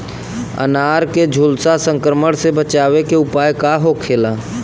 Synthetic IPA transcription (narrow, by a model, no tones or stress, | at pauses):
ə̰naːɾked͡ʒʱʊlsasə̃ŋkɾəməɽsebət͡ʃaːwekeʊpaːjkaɦokʰeːlaː